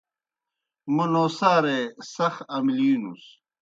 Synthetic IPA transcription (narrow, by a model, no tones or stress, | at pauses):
munoːsaːɾesɐxɐmlinus